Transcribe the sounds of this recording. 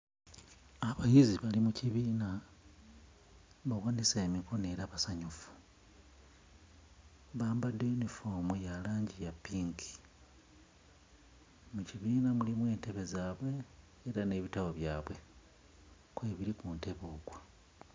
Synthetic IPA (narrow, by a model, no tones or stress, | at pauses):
aβajiziβalimuciβiːna | βawaːniseːmikone̞ːɾaβasaɲufu̥ | βaːmbadounifoːmujalaːɲɟijapːiŋkʰi̥ | muciβiːnamulimwe̞ːnte̞βe̞zaːβwe̞ː | ɾane̞βitawoβjaːβwe̞ | kwe̞ːβiɾikuːnte̞βo̞ːɡwa